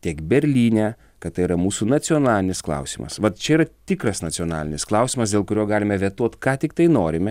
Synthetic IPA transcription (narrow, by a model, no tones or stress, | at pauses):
t̪ʲiɛkbʲɛɾʲlʲiːnʲɛː | kɐt̪t̪ɐɪiɾɐmuːsunɐsʲɪoːnɑːlʲɪnʲɪsklˠɐ̰ʊsʲiːmɐ̰sʋɐt̪t͡ʃʲɛiːɾɐt̪ʲɪːkɾɐsnɐsʲɪoːnɑ̰ːlʲɪnʲɪsklˠɐʊsʲiːmɐsd̪ʲeːlˠkʊɾʲoːɡɑːlʲɪmʲɛʋʲiɛt̪uɔt̪kɑːt̪ʲɪkt̪ɐɪnoːɾʲɪmʲɛ